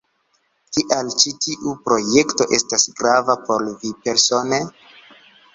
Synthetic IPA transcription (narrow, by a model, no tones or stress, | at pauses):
kiʔalt͡ʃitiʔupɾo̞je̞kto̞ʔe̞stasɡɾavapo̞lvipe̞ɾso̞ne